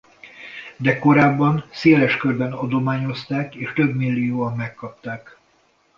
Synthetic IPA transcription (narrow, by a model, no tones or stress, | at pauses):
d̪ɛko̞ɾaːbːɒnseːlɛʃkørbɛnɒd̪o̞maːɲo̞st̪aːkeːʃt̪ø̞bmilːijoːɒmːɛkːɒpt̪aːk